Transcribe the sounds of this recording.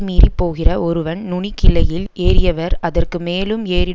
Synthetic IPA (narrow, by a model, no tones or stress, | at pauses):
miːripːoːɣɪrɐʔɔɾɯʋɐnnʊɳikɪlɐjɪleːɾɪjɐʋɐɾɐðɐrkɯmeːlɯmeːɾɪ